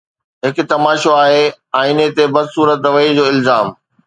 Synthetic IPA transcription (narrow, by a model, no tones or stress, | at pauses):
ɦɪk̆t̪ɐmaːʃoaːɦe | ãːɪnet̪ebɐd̪suːɾət̪ʋɐid͡ʑoːɪlzaːm